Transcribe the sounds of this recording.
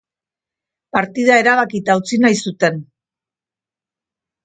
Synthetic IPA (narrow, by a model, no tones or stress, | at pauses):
paɾt̪iðae̞ɾaβ̞akit̪aut͡sinajsut̪e̞n